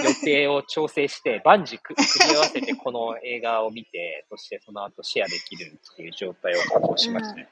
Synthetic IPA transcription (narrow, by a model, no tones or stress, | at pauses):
jot̪e̞ːo̞t͡ɕo̞ːse̞ːɕi̥t̪e̞bãɲ̟d͡ʑikkɯkiaβase̞t̪e̞kʰo̞no̞e̞ːɡaomʲit̪e̞so̞ɕi̥t̪e̞so̞no̞at̪o̞ɕiad̪e̞kʲiɾɯ̟t̪ʰːejɯ̟ːd͡ʑo̞ːt̪aiokokoːɕimaɕi̥t̪ane